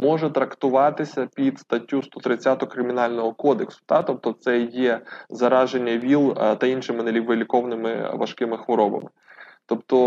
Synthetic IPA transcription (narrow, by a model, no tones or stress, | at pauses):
mɔʒɛt̪ɾɐkt̪ʊʋɑt̪ɪsʲɐpʲid̪st̪ɐtʲːust̪ɔt̪ɾɪt͡sʲːat̪ɔɔkɾɪmʲinɑlʲnɔɦɔkɔd̪eksʊ̥t̪ɑt̪ɔp̚t̪ɔt̪sɛjɛzɐɾɑʒenʲːɐʋʲilˠt̪ɐinʃɪmɪnelʲiʋɪlʲɪkɔʋnɪmɪ̰ʋɐ̰ʃkɪmɪxʋɔɾɔbɐ̰mɪ | t̪ɔpt̪ɔ